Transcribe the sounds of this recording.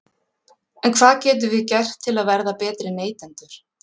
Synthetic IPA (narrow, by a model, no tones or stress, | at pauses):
ɛnkʰv̥aːðcɛːt̪̬ʏvɪðcɛr̥t̪ʰːɪlaðvɛɾðapɛːt̪ɾɪneːjt̪ɛnt̪ʏɾ̥